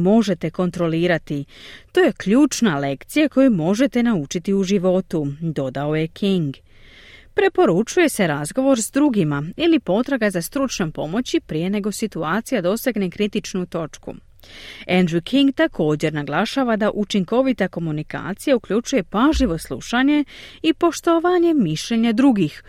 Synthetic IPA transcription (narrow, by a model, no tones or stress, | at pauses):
mo̞ʒe̞t̪e̞ko̞nt̪ɾo̞liːɾat̪it̪o̞je̞kʎuːt͡ʃnale̞kt̪sijako̞jumo̞ʒe̞t̪e̞naut͡ʃit̪iuʒiʋo̞t̪ud̪o̞d̪aoje̞kʰiŋɡ | pɾe̞po̞ɾut͡ʃuje̞se̞ɾazɡo̞ʋo̞ɾzd̪ɾuɡimailipo̞t̪ɾaɡazast̪ɾut͡ʃɲompo̞mo̞t͡ɕipɾije̞ne̞ɡo̞sit̪uaːt̪sijad̪o̞saɡne̞kɾit̪it͡ʃnut̪o̞t͡ʃkṵ | e̞nd̪ɾukʰiŋɡt̪akʰo̞ːd͡ʑe̞ɾnaɡlˠaʃaʋad̪aʔut͡ʃiŋko̞ʋit̪ako̞munika̰ːt̪sijaukʎʲut͡ʃuje̞paʒliʋo̞slˠṵʃaɲe̞ipo̞ʃt̪oʋaɲe̞miʃʎe̞ɲad̪ɾuɡix